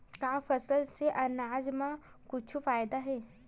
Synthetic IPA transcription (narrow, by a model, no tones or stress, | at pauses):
kaːfɐsəlseʔɐnaːd͡ʒmã | kʊt͡ʃʰufaːjd̪aɦɛː